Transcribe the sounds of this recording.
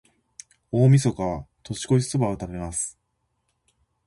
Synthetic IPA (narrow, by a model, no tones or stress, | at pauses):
o̞ːmʲiso̞kaβat̪o̞ɕi̥ko̞isobaot̪abe̞masɨ̥